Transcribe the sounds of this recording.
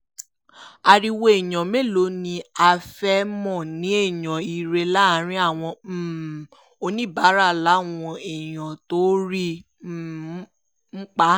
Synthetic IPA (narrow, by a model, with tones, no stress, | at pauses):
a˧ɾi˧wo˧e˨jɔ̃˨me˦˨lo˨˦nĩ˧a˧fɛ˦mɔ̃˦˨nĩ˨˦e˦˨jɔ̃˨i˨ɾe˧la˦˨˦ɾ̃ĩ˦a˦˨w̃ɔ̃˧˦˨ | o˧nĩ˦˨ba˨˦ɾa˦˨la˨˦w̃ɔ̃˧e˨j̃ã˨to˦ɾi˦˨˦ | m̩˦k͡pa˦